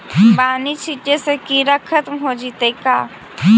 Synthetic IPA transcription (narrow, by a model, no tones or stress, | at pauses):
baːnit͡ʃʰit͡ʃesekiɾakʰət̪mɦod͡ʒit̪ekaː